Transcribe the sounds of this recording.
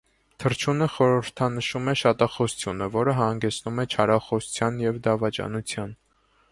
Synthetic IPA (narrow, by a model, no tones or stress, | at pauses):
t̪ʰəɾt͡ʃʰunəχɔɾəɾt̪ʰɑnəʃumɛʃɑt̪ɑχɔst͡sʰjunəvɔɾəɦɑŋɡɛt͡sʰnumɛt͡ʃʰɑɾɑχɔsu̥t͡sʰjɑnjɛvd̪ɑvɑt͡ʃɑ̰nut͡sʰjɑn